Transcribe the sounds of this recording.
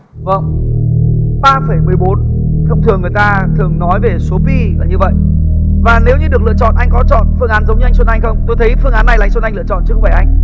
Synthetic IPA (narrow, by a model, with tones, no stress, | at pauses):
və˧˩n | ɓaː˧fə˧˩jmɨ˨˩əjɓo˨˦n | xə˧wŋ͡mt̪ʰɨ˨˩əŋːɨ˨˩ə˩jt̪aː˧t̪ʰɨ˨˩əŋnɔ˨˦jve˨˩so˨˦pi˧əː˨˩ɲɨ˧və̰˧˨j | vaː˨˩ne˨˦wɲɨ˧ɗɨ˨˩ək̚lɨ̰˧˨ət͡ɕɔ̰˧˨ʔa˧jŋ̟kɔ˨˦t͡ɕɔ̰˧˨nfɨ˧əŋʔaː˨˦nzə˨˦wŋ͡mɲɨ˧a˧js̬wə˧nʔa˧jŋ̟xə˧wŋ͡mt̪o˧jt̪ʰə˨˦jfɨ˧əŋʔaː˨˦nːa˨˩jːŋsə˧nʔjŋlɨ̰˧ət͡ɕɔ̰˧˨nt͡ɕɨ˨˦xva˧˩ʔa˧jŋ̟